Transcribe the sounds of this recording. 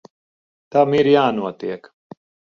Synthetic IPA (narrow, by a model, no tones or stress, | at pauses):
t̪ɐmiɾjaːnuɐt̪iek